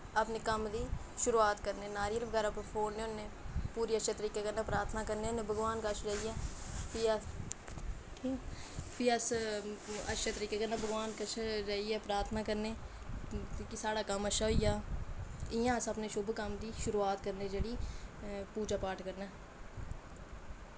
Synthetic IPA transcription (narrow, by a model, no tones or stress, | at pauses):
əpneːkəmd̪iː | ʃʊɾuːaːt̪kəɾneːnaːɾiːəlʋəɡɛːɾaːppʰoːnneːʊnːeːpuːɾiːəʃet̪əɾiːkeːkəɾnẽːpɾaːt̪ʰnaːkəɾneːʊnːẽːbʱəɡʋaːnkət͡ʃʰɾəiɛːpiːa | ʈʰiːpʰiːəs | əʃet̪əɾiːkeːkəɾnaːbʱəɡʋaːnkət͡ʃʰɾəːiɛːpɾaːt̪ʰnaːkəɾneː | t̪ikisaːɽaːkəməʃaːɦoijaː | ɪjãːəsəpneːʃʊbkəmd̪iːʃʊɾuːaːt̪kəɾneːd͡ʒeːɽiː | puːd͡ʒaːpaːʈʰkəɾnɛː